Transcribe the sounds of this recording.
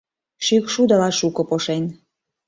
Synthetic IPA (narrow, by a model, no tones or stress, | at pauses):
ʃykʃud̪ɑlɑʃukŏpoʃenʲ